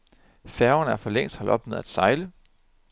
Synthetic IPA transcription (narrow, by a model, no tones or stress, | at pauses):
fæɐʊɐnæɐfɒ̽leŋ̰sd̥hɒ̽l̰ɒ̽b̥neð̞̰ˠæd̥sɑ̈ɪlə